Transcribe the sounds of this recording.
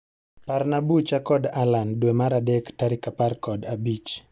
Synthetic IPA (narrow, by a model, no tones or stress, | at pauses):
paɾnabut͡ʃakɔdalandwemaɾadɛktaɾikaparkɔdabit͡ʃ